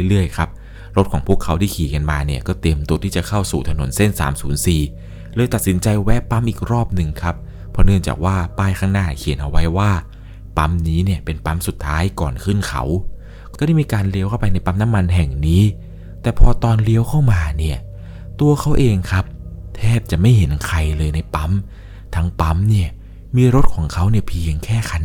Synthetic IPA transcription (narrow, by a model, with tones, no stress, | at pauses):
ɾɯ˥˩əjkʰa˦˥p̚ | ɾo˦˥t̪̚kʰɔː˩˦pʰu˥˩əkʰːa˦˥wt̪ʰiː˥˩kʰiː˩˦ka˧nmaː˧ni˥˩ɐkɔː˥˩t̪e˧mt̪u˧ət̪ʰiː˥˩t͡ɕa˨˩kʰa˥˩wsuː˨˩t̪ʰa˧no̰˨˩˦nse˥˩nsa̰ː˩˦msuː˩˦nsiː˨˩ | lɤː˧jt̪a˨˩t̪̚si˩˦nt͡ɕa˧jwɛ˦˥pːa˦˥mʔiː˨˩k̚ɾɔː˥˩p̚nɯ˨˩ŋkʰa˦˥p̚ʰː | ɔ˦nɯ˥˩əŋt͡ɕa̰ː˨˩k̚waː˥˩paː˥˩jkʰaː˥˩ŋnaː˥˩kʰi˨˩˦nʔa˧wa˦˥jwaː˥˩ | pa˦˥mniː˦˥ni˥˩ɐpe˧npa˦˥msu˨˩t̪ʰːaː˦˥jkɔː˨˩nkʰɯ˥˩nkʰa̰˦˥w | kɔ˥˩a˥˩jmiː˧kaː˧nli˧˥əwkʰa˥˩wpa˧jna˧jpa˦˥mna˦˥mːa˧nɦɛ˨˩ŋniː˦˥ | t̪ɛː˨˩pʰɔː˧t̪ɔː˧nli˦˥əwkʰa˥˩wmaː˧ni˥˩ɐ | t̪u˧ɐkʰa˦˥wʔeː˧ŋkʰa˦˥p̚t̪ʰɛː˥˩p̚t͡ɕa˨˩ʔma˥˩jɦe˩˦nkʰa˧jlɤː˧jna˧jpa˦˥m | t̪ʰa˦˥ŋpa˦˥mni˥˩ɐ | miː˧ɾo˦˥t̪̚kʰɔː˩˦ŋkʰa˦˥wni˥˩ɐpʰi˧əŋkʰɛː˥˩kʰa˧n